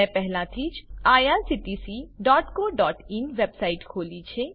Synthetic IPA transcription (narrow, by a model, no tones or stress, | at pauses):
ɛ̃pɛɦlãt̪ʰid͡ʒaːjaɾsiʈisiɖɔːʈkoɖɔːʈinʋebsajiʈkʰoːlit͡ʃʰe